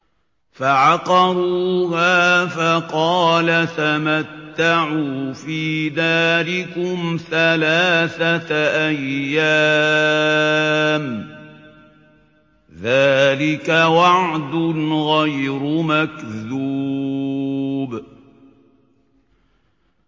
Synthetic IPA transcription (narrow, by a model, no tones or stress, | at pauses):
faʕɑqɑɾˤuːhaːfɑqɑːlat̪amat̪ːaʕuːfiːðaːlɪkʊmθalaːθat̪ʔajːa | m | ðaːlɪkawɑʕd̪ʊnɣajɾʊmakðuː | b